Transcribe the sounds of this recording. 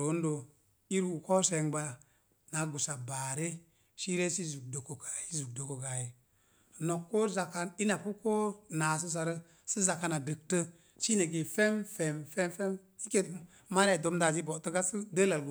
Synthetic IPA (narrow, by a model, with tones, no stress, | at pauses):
o˨˦n˦do˨ | i˦ɾu˨ko˦se˧ŋba˧ | na˨ɡu˨sa˨ba˨ɾe˦ | ʃi˦ɾe˦si˦zu˨k̚do˨ko˨kḁ˨ji˦zu˨k̚do˨ko˨ɡa˨ji˨ | no˨kːo˦za˨ka˦ni˦na˨pu˦ko˦na˨s̬ə˦s̬a˨ɾə˦ | sə˦za˨ka˧na˨də˨k̚tə˦ | ʃi˦na˨ɡe˨fe˦mfe˨mfe˦mfe˦m | si˦ke˦ | ma˦ɾa˨do˨˦mda˨zi˦bo˨tə˦ɡa˦sə˦də˦la˨lɡu˨